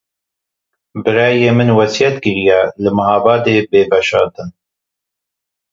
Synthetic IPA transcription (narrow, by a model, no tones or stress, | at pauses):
bɨɾɑːjeːmɨnwɛsjɛt̪ɡɨɾijɛlɨmɨhɑːbɑːd̪eːbeːbɛʃɑːɾd̪ɨn